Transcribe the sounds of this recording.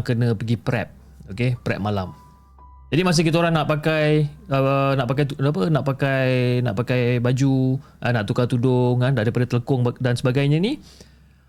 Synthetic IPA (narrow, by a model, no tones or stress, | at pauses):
ŋkənə̃pəɡipɾɛ̰p̚ | okepɾɛ̰p̚malam | d͡ʒadimas̬ɪkit̪aoɾaŋnaʔpakajənaʔpakajt̪uap̬ənaʔpakajnaʔpakajbad͡ʒu | anaʔt̪ukat̪udʊŋandaʔɾipadat̪ələkʊŋdansəbaɡajɲani